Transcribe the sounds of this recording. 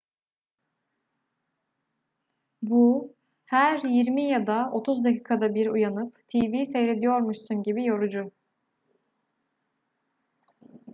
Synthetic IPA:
bu | hæɾjiɾmijad̪ao̞t̪ʰuzd̪acʰiːkʰad̪abiɾujanɯpt̪ʰiːvisejɾe̞d̪ijo̞ɾmuʃsunɟibijo̞ɾud͡ʒʊ

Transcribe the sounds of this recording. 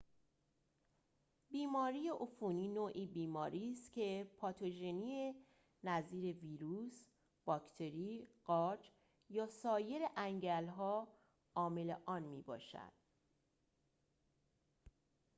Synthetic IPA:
biːmɒːɾijeʔofuniːnoːʔiːbiːmɒːɾiːst̪cʰe̞pʰɒːt̪ʰoʒenie | næziːɾe̞viːɾuːs | b̥ɒːkʰt̪ʰe̞ɾiːɢ̥ɒːɾd͡ʒ | jɒːsɒːje̞ɾeʔæŋɟælɦɒː | ɒːme̞leʔɒːnmiːbɒ̰ːʃæ̰d̪̥

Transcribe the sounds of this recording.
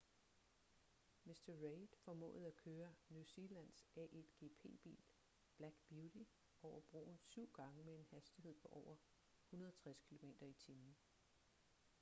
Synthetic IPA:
mesd̥ɐʁeɪd̥fɒ̽mɔ̰̽ːð̩ˠækʰøːɐnjuse̝læn̰sʔɛʔed̥ɡ̥e̝̰pʰe̝̰ːb̥ḭːl | b̥læɡ̥b̥judi | ʔɒʊ̰ɐb̥ʁo̝̰ːn̩syʊ̰ɡ̥ɑ̈ŋəmee̝nhæsd̥ihe̝ð̞̰ˠpʰɒ̽ʔɒʊ̰ɐ | hunɐð̞ˠɐt͡sʰʁaskʰilo̝me̝̰ːd̥ɐit͡sʰiːmn̩

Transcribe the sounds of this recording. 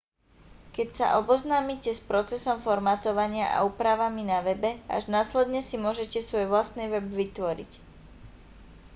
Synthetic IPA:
kɛcsa̰ʔɔbɔznaːmicɛspɾɔt͡sɛsɔmfɔɾmaːt̪ɔʋaɲɪaʔa̰uːpɾaʋaminaʋɛbɛa̰ʒnaːslɛd̪ɲɛsimʊɔʒɛcɛsʋɔjʋlast̪niʋɛbʋit̪ʋɔɾḭc

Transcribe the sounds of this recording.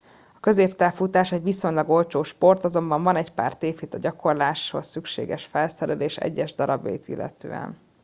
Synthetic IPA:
ɒ̥kø̞zeːpt̪aːfut̪aːʃɛɟʋiso̞ɲlɒɡo̞lt͡ʃoːʃpo̞rt̪ɒzo̞mbɒɱvɒnɛɟpa̰ːrt̪eːfit̪ɒɟɒko̞rlaːʃho̰ssykʃḛːɡɛʃfɛlsɛɾɛleːʃɛ̰ɟːɛʒd̪ɒɾɒbjɒ̰jit̪ḭlːʔɛ̰t̪ø̰ːɛ̰n

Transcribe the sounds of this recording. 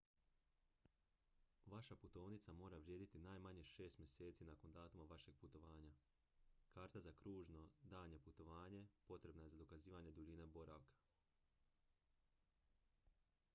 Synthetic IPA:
ʋaʃaput̪o̞ːʋnit̪samo̞ːɾaʋɾje̞ːd̪it̪inaːjmaɲeʃe̞ːst̪mʲje̞se̞ːt̪sinako̞nd̪aːt̪umaʋaʃe̞ɡ̥̚put̪o̞ʋaːɲa | kaːɾt̪azakɾuːʒno̞d̪aːɲe̞put̪o̞ʋaːɲe̞po̞t̪ɾe̞bnajezad̪o̞kaziːʋaɲe̞d̪uʎine̞bo̞ɾa̰ʋkḁ

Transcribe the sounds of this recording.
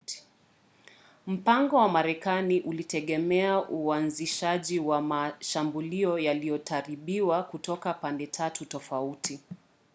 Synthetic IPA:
m̩paŋɡɔwamaɾɛkaniʔulitɛɠɛmɛaʔuanziʃaʄiwamaʃambuliɔjalijɔtʰaɾiɓiwakutɔkapandɛtʰatutɔfauti

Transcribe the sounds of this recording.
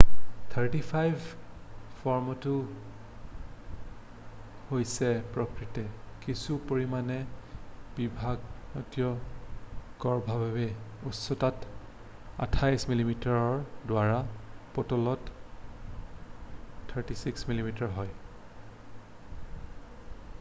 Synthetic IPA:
t̪ʰaɹtipʰajbʱ | fʰɔɹmɔtu | hojsɛpɹɔkɹitɛkisupoɹimanɛ | b̥ibʱaɡnɔtijɔ | ɡɔɹbʱabʱabɛ | usɔtat | a̰tʰajsmilimitaɹɔɹdʊaɹapɔtɔlɔt | tʰːəɹtisiksmilimitaɹɦɔj

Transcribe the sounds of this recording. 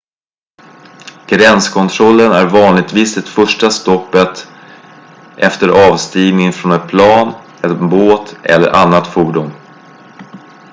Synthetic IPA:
ɡ̥ɾɛnskʰɔnt̪ʰɾɔlːənæɾvɑːnlɪɡ̚t̪viːsd̪ɛt̪fœʂʈast̪ɔpːət̪ | ʔɛft̪əɾʔɑːvst̪iːvnɪŋfɾɔnɛt̪pʰlɑːn | ɛt̪boːt̪ɛ̰lːə̰ɾʔa̰nːat̪fuːɖʊm

